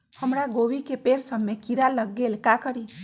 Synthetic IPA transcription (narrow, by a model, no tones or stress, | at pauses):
həmɾaɡowikepeɾsəbmekiɾaləɡːelkakəɾi